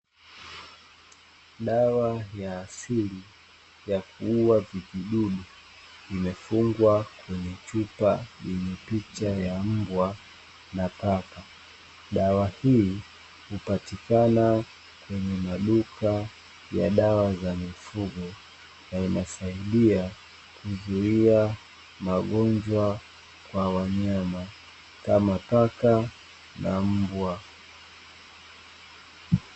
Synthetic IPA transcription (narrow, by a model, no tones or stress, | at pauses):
ɗawajaːsili | jakuuwaviviɗuɗu | imɛfuŋɡwakwɛɲɛt͡ʃupajɛɲɛpit͡ʃajam̩bwa | napaka | ɗawahi | hupatikana | kwɛɲɛmaɗukʰa | ja̰ɗawazamifuɠɔ | nainasaiɗia | kuzuia | maɠɔɲd͡ʒwa | kwawaɲama | kamapaka | na̰m̩bwa